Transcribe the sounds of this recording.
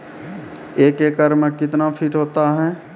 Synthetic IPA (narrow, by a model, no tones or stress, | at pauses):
eːkekəɾmẽkɪt̪napʰiːʈɦoːt̪aɦɛː